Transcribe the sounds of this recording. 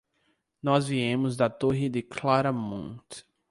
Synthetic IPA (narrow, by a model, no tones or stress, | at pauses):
nɔzviẽmʊzd̪ɐt̪oɦɪd̪ɪklaɾɐmõ̰t̪